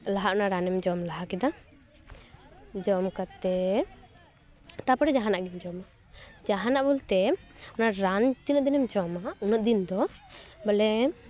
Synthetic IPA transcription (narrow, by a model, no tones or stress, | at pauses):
laɦaʔɔnaʔɾanɛmd͡ʒɔmlaɦakɛd̪a | d͡ʒɔmkat̪ɛ | t̪apɔɽɛd͡ʒaɦanaʔɡɛmd͡ʒɔma | d͡ʒaɦanaʔbult̪ɛɔnaʔɾand̪inɔt̪̚d̪inɛmd͡ʒɔmaunɔt̪̚d̪ind̪ɔbalɛ